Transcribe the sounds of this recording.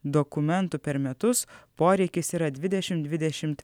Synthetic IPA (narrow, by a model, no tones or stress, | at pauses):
d̪okʊmʲɛnt̪ʊpʲɛɾmʲɛt̪ʊspoːɾʲɛɪkʲɪsiːɾɐd̪ʲʋʲɪd̪ʲɛʃʲɪmd̪d̪ʲʋʲɪd̪ʲɛʃʲɪmt̪